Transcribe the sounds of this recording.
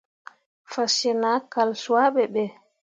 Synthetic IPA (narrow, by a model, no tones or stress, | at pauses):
fasɛnaːkalswaɓɛɓɛ